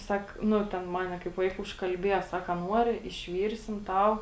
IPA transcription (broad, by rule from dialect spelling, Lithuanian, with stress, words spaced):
ˈsɐk ˈnʊ ˈtʲɛn ˈmɑːnʲɛ kɐɪp ˈʋɐɪkɐ ʊʃkɐlʲˈbʲiɛjɛ ˈsɐk ɐ ˈnuɔrʲɪ ɪʃʲˈʋʲiːrʲsʲɪm ˈtɐʊ